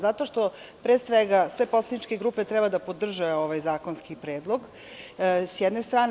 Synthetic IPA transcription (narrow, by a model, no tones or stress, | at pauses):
zat̪o̞ʃt̪o̞ | pɾesʋeɡasʋe̞poslad̪nit͡ʃke̞ɡɾuːpet̪ɾɛbad̪apod̪r̩ʒeo̞ʋajzaːkonskipɾeːd̪lˠo̞ɡ | sjɛd̪nest̪ɾaːn